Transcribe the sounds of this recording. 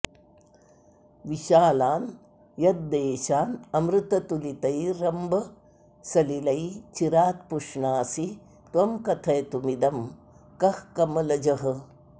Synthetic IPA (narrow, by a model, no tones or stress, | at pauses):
ʋiʃaːlaːn | jɐd̪̚d̪eːʃaːnɐmɾut̪ɐt̪ulit̪ɐjɾɐmbɐ | sɐlilɐjt͡ʃiɾaːt̪puʂɳaːsi | t̪ʋɐmkɐt̪ʰɐjɐt̪umid̪ɐm | kɐhkɐmɐlɐd͡ʒɐɦɐ̆